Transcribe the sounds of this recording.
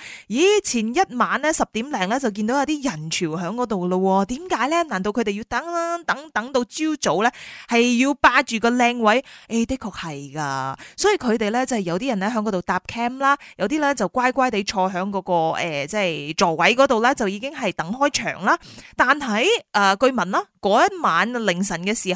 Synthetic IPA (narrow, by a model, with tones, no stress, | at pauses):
jiː˨˥t͡sʰiː˨˩njɐ˥t̚maː˨˧nlɛː˥sɐ˨p̚t̪iː˨˥mlɛː˨˩ŋlɛː˥t͡sɐ˨wk̬i˧nd̪o˨˥wjɐ˨˧wt̪i˥jɐ˨˩nt͡ʃʰyː˨˩wɦœː˨˥ŋkɔː˨˥t̪o˨wlə˧wɔː˧t̪iː˨˥mkaː˨˥jlɛ˥naː˨˩nt̪o˧wkʰɵ˧t̪e˨jiː˧t̪ɐ˨˥ŋ˥t̪ɐ˨˥ŋt̪ɐ˨˥ŋt̪o˧wt͡siː˥wt͡so˨˥wlɛː˥hɐ˨jjiː˧wpaː˧t͡ʃyː˨kɔː˧lɛː˧ŋwɐ˨˥je˥˩t̪e˥kʰːɔː˧k̚hɐ˨jkaː˧sɔː˨˥jiː˨˧kʰɵ˨˧ɥt̪e˨jlɛː˥t͡sɐ˥hjɐ˨˧wt̪iː˥jɐ˨˩nlɛː˥ɦœː˨˥ŋkɔ˨˧t̪o˨wt̪aː˧p̚kʰɛː˥mlaː˥jɐ˨˧wt̪̬iː˥lɛː˥t͡sɐ˨˩wkʷaː˥jkʷaː˥jt̪e˨˥jt͡ʃʰɔː˧ɦœː˨˥ŋkɔː˧˥kɔː˧ɛː˨t͡sɛ˥˩jt͡sɔː˨˩wɐ˨˥jk̬ɔ˨˥t̪o˨wlɛː˥t͡sɐ˨wjiː˨˧kɪ˥ŋɦɐ˨jt̪ɐ˨˥ŋhɔː˥jt͡ʃʰœ̰ː˨˩ŋlaː˥t̪aː˨nɦɐ˨˧jʔɐː˨kɵ˧ɥmɐ˨˩nlaː˥kɔː˨˥jɐ˥t̚maː˨˧nlɪ˨˩ŋsɐ˨˩nkɛː˧siː˨˩